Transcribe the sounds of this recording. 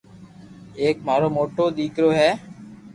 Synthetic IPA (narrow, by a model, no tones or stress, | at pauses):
eːkmaːɾoːmoːʈoːd̪iːkɾoːɦɛː